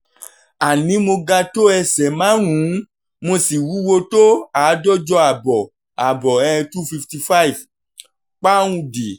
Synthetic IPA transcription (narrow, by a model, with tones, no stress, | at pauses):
a˨nĩ˨˦mo˧ɡa˧to˦ɛ˧sɛ˨mã˨˦ɾ̃ũ˨˦ | mo˧si˨wu˨˦wo˧to˦aː˨˦dɔ˦d͡ʒɔ˧a˨bɔ˨ | a˨bɔ˨ɛ˧ɛ̃˧tu˦fi˧fti˧fa˦i˨f | k͡pã˦ũ˧de˨